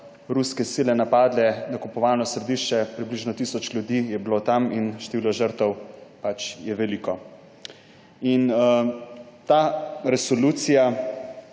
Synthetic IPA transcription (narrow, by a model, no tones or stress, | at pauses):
ɾuskɛsiːlɛnapaːd̪lɛnakupɔʋaːnɔsɾɛd̪iʃt͡ʃɛpɾibliʒnɔt̪isɔt͡ʃljud̪ijɛblot̪aminʃt̪eʋiːlɔʒəɾt̪ɔwpat͡ʃjɛʋɛliːkɔ | in | t̪aːɾɛsɔluːt̪sija